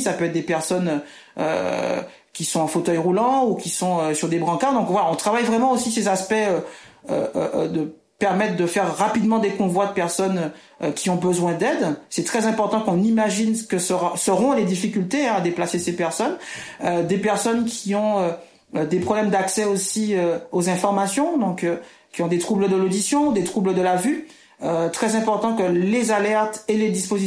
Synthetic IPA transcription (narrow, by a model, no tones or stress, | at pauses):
sapøɛt̪̚ːd̪epɛʁsɔnø | ø̰ | kʲisɔ̃ɑ̃fot̪œjʁulɑ̃ukʲisɔ̃øsyʁd̪ebʁɑ̃kaʁd̪ɔ̃kvwalaɔ̃t̪χavajvʁɛmɑ̃osisezaspɛøø̰ʔd̪ə | pɛʁmɛt̪χd̪əfɛʁːapid̪mɑ̃d̪ekɔ̃vwad̪əpɛʁsɔnø | kʲiɔ̃bəzwɛ̃d̪ɛd̪sɛt̪χɛzɛ̃pɔʁt̪ɑ̃kɔ̃nimaʒinkəsəʁasəʁɔ̃led̪ifikʲylt̪ead̪eplasesepɛʁsɔnød̪epɛʁsɔnkʲʰiɔ̃ø | d̪epχɔblɛmd̪aksɛosiøozɛ̃fɔʁmasjɔ̃d̪ɔ̃kø | kʲiɔ̃d̪et̪χubləd̪əlod̪isjɔ̃ud̪et̪χubləd̪əlavy | øt̪χɛzɛ̃pɔʁt̪ɑ̃kəlezalɛʁt̪eled̪ispozi